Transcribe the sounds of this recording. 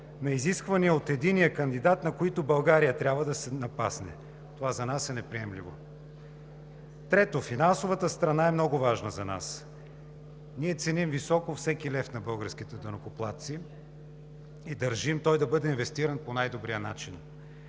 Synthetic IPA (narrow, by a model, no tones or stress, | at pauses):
nɐiziskvɐniəot̪ɛd̪inijəkɐnd̪id̪at̪nɐkoit̪ʊbɐlˠɡaɾijət̪ɾʲabvəd̪ɐsɛnɐpa̰snɛ̰ | t̪ovazɐnasɛnɛpɾiɛmlḭvo̰ | t̪ɾɛt̪ofinansovət̪əst̪ɾɐnaɛmnɔɡʊvaʒnəzɐna̰s | niɛt̪sɛnimvisɔkofsɛkilɛft̪nɐbɤlˠɡəɾsk̟it̪ɛd̪ənokoplˠat̪si | id̪ɐɾʒimt̪ɔjd̪ɐbɤd̪ɛinvɛst̪iɾənponajd̪obɾijənat͡ʃin